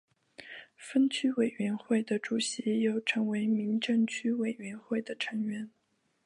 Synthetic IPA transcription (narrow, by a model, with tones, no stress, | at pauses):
fə˥nt͡ɕʰy˥we˨˩ɪɥɛ˧˥nxwe˥˩ɪd̪ə˩ʈ͡ʂu˨˩ɕi˧˥jo˥˩ʊʈ͡ʂʰɤ˧˥ŋwe˧˥ɪmi˧˥ŋʈ͡ʂɤ˥˧ŋt͡ɕʰy˥we˨˩ɪɥɛ˧˥nxwe˥˩ɪd̪ə˩ʈ͡ʂʰɤ˧˥ŋɥɛ˧˥n